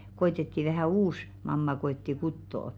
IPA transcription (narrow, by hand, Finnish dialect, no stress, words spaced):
koetetːi ʋæhæˑ uːs mɑmːɑ koetːi kutːoː